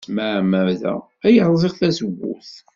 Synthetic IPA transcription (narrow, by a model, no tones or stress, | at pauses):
mæmæðæ̰ | æjəɾˤzˤiʁθæsəɡːṵθ